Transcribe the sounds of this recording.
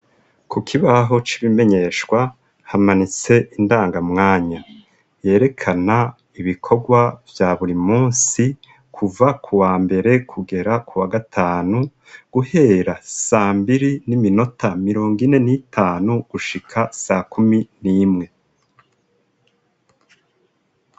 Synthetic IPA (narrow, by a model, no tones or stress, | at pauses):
kukʰiβaɦo̞t͡ʃiβime̞ɲe̞ʃwa | hamanit͡se̞ʔindaːŋɡamŋaːɲa | je̞ːɾe̞kʰana | iβikʰo̞ɡwavjaːβuɾimuːnsi | kʰuvakʰuwaːmbe̞ɾe̞kʰuɡe̞ɾakuwaɡatʰaːnu | ɡ̥uhe̞ːɾasaːmbiɾinimino̞tʰamiɾo̞ːŋɡine̞nitʰaːnuɡ̥uʃikʰasakuminiːmŋe̞